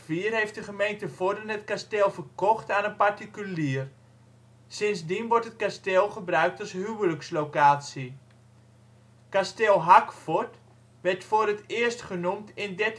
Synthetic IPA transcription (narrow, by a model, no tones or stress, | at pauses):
fiərɦejft̚dəχəmejntəvoːrdənətkastɪlˠvərkɔχtaːnənpartikyliːər | sɪnsdinʋɔrtət̚kastɪlˠχəbrœɥk̚tashywələkslowkaːsi | kastɪlˠɦakfɔrt | ʋɛrtfʊːrətɪəstχənumtɪndɛt